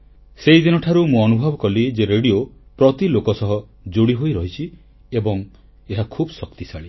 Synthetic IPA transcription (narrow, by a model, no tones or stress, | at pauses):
seid̪inɔʈʰaɾumũɔnubʱɔbɔkɔlid͡ʒeɾeɽiopɾɔt̪ilokɔsɔɦɔ | d͡ʒoɽiɦojɾɔɦit͡ʃʰi | ebɔŋ | eɦakʰubɔsɔkt̪isaɭi